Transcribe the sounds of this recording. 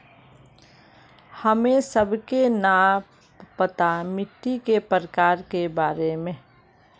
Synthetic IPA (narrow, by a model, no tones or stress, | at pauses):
həmẽsəbʱkena | pət̪amɪʈːikepəɾəkaːɾkebaːɾemẽ